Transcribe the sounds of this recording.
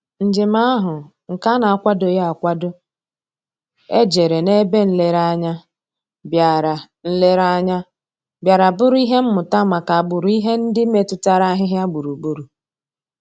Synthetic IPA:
n̩˨d͡ʒɪ˨ma˦ɦʊ˨ | ŋ̩˨ka˦na˨a˨kʷa˦do˨ja˨kʷa˦dʊ˦ | e˦d͡ʒe˨ɾe˨ne˦be˦n̩˦le˦ɾa˦ɲa˦ | bja˨ɾa˨ | n̩˦le˦ɾa˦ɲa˦ | bja˨ɾa˨bʊ˦ɾʊ˦i˦ɦe˦m̩˦mʊ˨ta˦ma˨ka˨a˨ɡ͡bʊ˨ɾi˦ɦe˦n̩˦dɪ˦me˨tʊ˦ta˦ɾa˦ɦɪ˦ɦɪ˦a˦ɡ͡bu˨ɾu˨bu˦ɾu˨

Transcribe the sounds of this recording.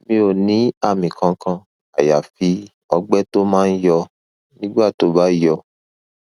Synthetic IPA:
mĩ˧˦o˨nĩ˨˦a˦˨mĩ˨kã˧˦kã˧ | a˨ja˨fi˧˦ | ɔ˧ɡ͡bɛ˦to˦mãː˦n̩˦jɔ˧ | nĩ˦ɡ͡ba˦˨to˨˦ba˦jɔ˧

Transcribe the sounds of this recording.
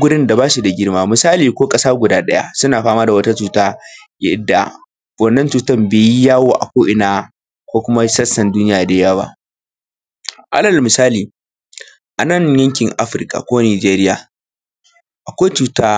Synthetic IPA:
ɡʷʊ˦ɽɪ˦nda˨baː˦ʃi˨da˨ɡʲɪ˦rmaː˦˨mʊ˨saː˦liː˨kʷoː˦kʼɐ˦saː˦ɡʷʊ˨daː˦ɗɐ˦ja̰˦sʊ˦naː˨ɸaː˦maː˦da˨wɐ˦ta˦t͡ʃuː˨taː˦jɪ̰˦dːa̰˨ | wɐ˦˨nːɐ˦nt͡ʃuː˨tɐ˦mbeː˨ji˦jaː˦woː˦ʔa̰˨kʷoː˦ʔɪ˨naː˦ | kʷoː˦kʷʊ˦ma˦sɐ˦sɐ˨nduː˦nɪ˦jaː˨da˨ja˦wa̰˦ | ʔa̰˦lɐ˨lmɪ˨saː˦liː˨ | ʔa˨nɐ˦˨ɲjɐ˦ŋkʲɪ˨ŋʔa˦ɸɪ˦ɾkʼa̰˨kʷoː˦niː˨d͡ʒeː˦ɾɪ˦jaː˨ | ʔa˨kʷaː˦t͡ʃuː˦taː˦

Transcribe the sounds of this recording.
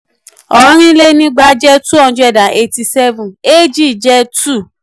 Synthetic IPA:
ɔ˨˦ɾ̃ĩ˦le˦nĩ˦ɡ͡ba˧d͡ʒɛ˦tu˦ɔ̃˦˨˦d͡ʒu˧˦ɛ˦˨da˨ʔe˧ti˧sɛ˦vũ˨e˦d͡ʒi˦˨d͡ʒɛ˦tu˦˨

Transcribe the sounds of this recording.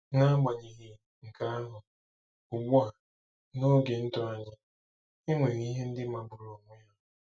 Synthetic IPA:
ŋa˦a˦ɡ͡ba˨ɲi˨ɦi˨ | ŋ̩˨ka˦a˦ɦʊ˨ | u˨ɡ͡bu˦a˨ | no˦ɡe˨n̩˦tʊ˦a˦ɲɪ˦ | ɪ˦ŋʷe˨ɣi˦ɦe˦n̩˦dɪ˦ma˨bʊ˨ɾo˨ŋʷe˦a˦˨

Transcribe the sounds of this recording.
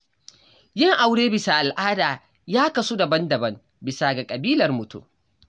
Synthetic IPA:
jɪ˦ŋʔa˨wɽeː˦bɪ˨saː˨ʔa˨lʔaː˦daː˨ | jaː˦kɐ˨su˦dɐ˨bɐ˦ndɐ˨bɐ˦ŋ | bɪ˨saː˨ɡa˨kʼɐ˨biː˦lɐ˨rmʊ˨tṵ˦

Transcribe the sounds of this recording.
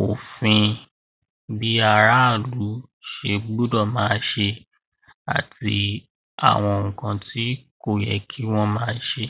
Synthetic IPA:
o˨fĩ˧ | bi˦a˧ɾa˦˨lu˨˦ | ʃe˧blu˦dɔ˦˨mãː˦˧ʃe˧ | a̰˨ti˧ | a̰˦˨w̃ɔ̃˧o˨ũ˨kã˧ti˦ko˦˨jɛ̰˨kʰi˦w̃ɔ̃˦mãː˦˧ʃe˧

